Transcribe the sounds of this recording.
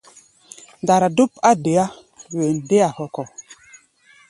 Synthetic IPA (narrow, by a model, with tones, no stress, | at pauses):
nda˨ɾa˨du˦pa˦de˨a˦ | we˨n˨de˦a˨hɔ˨kɔ˨